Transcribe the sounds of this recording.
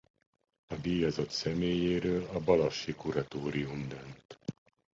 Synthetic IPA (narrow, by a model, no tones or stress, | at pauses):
ɒd̪iːjɒzɒt̪sɛmeːjeːɾøːlɒbɒlɒʃːikuɾɒt̪oːɾiumd̪ønt̪